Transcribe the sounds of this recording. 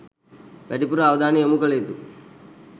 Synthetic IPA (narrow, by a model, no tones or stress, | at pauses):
peʈipuɾɐːʋɐd̪aːniɐmukɐɭet̪u